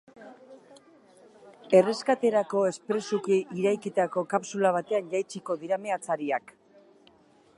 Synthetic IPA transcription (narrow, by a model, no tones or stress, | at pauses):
e̞re̞skat̪e̞ɾako̞e̞spɾe̞sukiiɾajkit̪ako̞kapsulaβ̞at̪e̞anʎajt͡siko̞ðiɾame̞at͡saɾiak